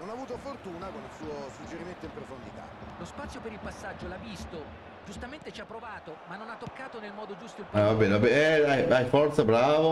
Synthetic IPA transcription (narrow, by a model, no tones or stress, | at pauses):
nonavuːt̪ofort̪uːnakonilsuːosud͡ʒːeɾiment̪oimpɾofond̪it̪a̰lospat̪sjopeɾilpasːad͡ʒːolavːist̪o | d͡ʒust̪ament̪et͡ʃapːɾovaːt̪omanːonat̪ːokːaːt̪onelmɔːd̪od͡ʒust̪oavabːɛːnvabɛɛajajfɔrt̪sabɾaːvo